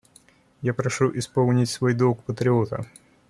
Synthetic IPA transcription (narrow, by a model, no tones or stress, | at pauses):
japɾɐʂuʔɪspolˠnʲɪtʲsvojd̪okpət̪ɾʲɪot̪ə̰